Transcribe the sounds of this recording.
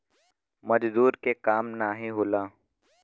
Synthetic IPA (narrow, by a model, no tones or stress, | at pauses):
mɐd͡ʒzuːɾkekaːmnaːɦĩɦoːlaː